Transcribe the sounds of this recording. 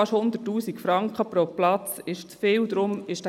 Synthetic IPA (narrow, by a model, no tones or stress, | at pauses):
ɑʃhʊnd̪ətːuːsikfɾɑŋkχəpɾoplɑt͡sɪʃt͡sfeːld̥̪ɾʊmɪʃd